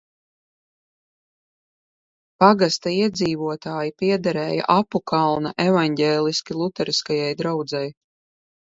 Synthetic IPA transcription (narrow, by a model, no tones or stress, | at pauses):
paɡast̪aiɛd̪ziːvuɔt̪aːjipiɛd̪aɾɛːja̰ʔapukalˠnaʔɛvaɲɟɛːlˠiskʲilˠut̪ɛɾiskajajd̪ɾawd̪zaj